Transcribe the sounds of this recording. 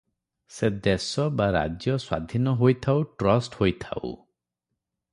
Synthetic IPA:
sed̪esɔbaɾa̰d͡ʒjɔswa̰d̪ʱinɔɦojt̪ʰawʈɾɔsʈhojt̪ʰa̰w̰

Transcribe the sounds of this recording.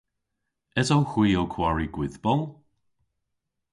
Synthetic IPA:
ɛzowxwiːowkʰw̥aɹiɡwɪðbɔlˠ

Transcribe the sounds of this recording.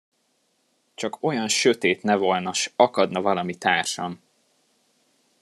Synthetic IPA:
t͡ʃɒko̞jɒnʃø̞t̪eːt̪nɛvo̞lnɒʃɒkɒd̪nɒvɒlɒmit̪aːrʃɒm

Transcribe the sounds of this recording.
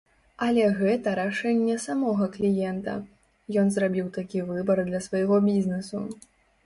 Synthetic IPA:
ɐlʲɛɣɛt̪ɐɾaʂɛnʲːɛsamɔɣɐklʲijɛnt̪ɐ̰ | jɔnzrabʲiwt̪akʲivɨbɐrd̪lʲɐsvajɣɔbʲizʲnɛsu

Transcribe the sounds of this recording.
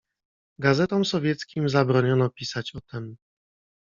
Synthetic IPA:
ɡazɛt̪ɔmsɔvʲjɛt̪skʲimzabɾɔɲɔnɔpʲisat͡ɕɔt̪ɛm

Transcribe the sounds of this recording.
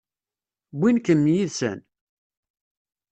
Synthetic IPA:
bʷːinkəmːjiðsə̰n

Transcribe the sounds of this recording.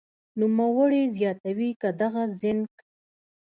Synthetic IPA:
numawəɽezjɑt̪awikad̪aɣazɪnk

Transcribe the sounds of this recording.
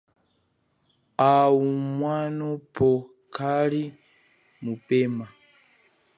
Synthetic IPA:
aumwanɔpʰɔ | kʰali | mupɛma

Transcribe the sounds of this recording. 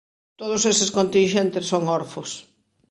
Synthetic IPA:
t̪oðʊsesɪskont̪inʃent̪ɪsːoŋoɾfʊs

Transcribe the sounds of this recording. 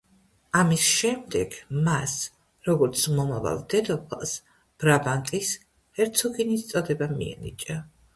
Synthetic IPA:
amisʃɛmd̪ɛɡ̥mas | ɾɔɡɔɾt̪sʰmɔmava̰lˠd̪ɛd̪ɔpʰa̰s | b̥ɾabant̪ʼis | hɛɾt̪sʰɔɡinist̪sʼɔd̪ɛbamḭɛ̰nḭt͡ʃʼa

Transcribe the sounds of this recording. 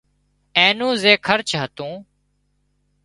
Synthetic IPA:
ẽːnũːzeːkʰəɾt͡ʃʰɦət̪ũː

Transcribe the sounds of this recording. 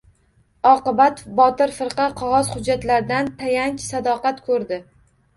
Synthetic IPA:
ɒqɨbat̪bɒt̪ɪɾfɨɾqɑqʰɒʁɒzhʊd͡ʒːat̪laɾd̪ant̪ʰajaŋkʲsad̪ɒqat̪kʰɵɾd̪ɪ

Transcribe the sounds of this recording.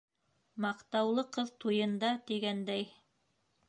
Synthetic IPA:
mɑqt̪ɑwlˠɤqɤðt̪ujɤ̆nd̪ɑt̪iɡænd̪æj

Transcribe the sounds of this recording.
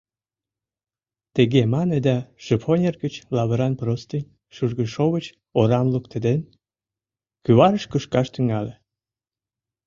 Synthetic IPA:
t̪eɣemɑned̪ɑʃəponʲerɣət͡ɕlɑβəɾɑnprost̪inʲ | ʃuʒɣəʃoβət͡ɕ | oɾɑmlukt̪əd̪en | kyβɑɾəʃkəʃkɑʃt̪yŋɑle

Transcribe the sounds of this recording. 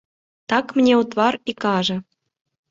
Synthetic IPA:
t̪ɑkm̆nʲeut̪βɑɾikɑʒɤ̆

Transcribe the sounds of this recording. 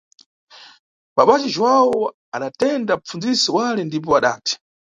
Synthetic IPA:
ɓaɓat͡ʃiʒwawɔ | aɗatɛndam̩p͡fund͡zisiwalɛndip̬ɔaɗa̰ːtʰi̥

